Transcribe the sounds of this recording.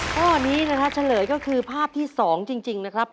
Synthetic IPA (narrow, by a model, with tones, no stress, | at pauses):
ɔː˥˩niː˦˥na˦˥kʰɾa˦˥t͡ɕʰa˧lɤː˨˩˦jkɔː˥˩kʰɯː˧pʰaː˥˩p̚t̪ʰiː˥˩sɔː˩˦ŋt͡ɕi˧ŋt͡ɕi˧ŋna˦˥kʰɾa˦˥p̚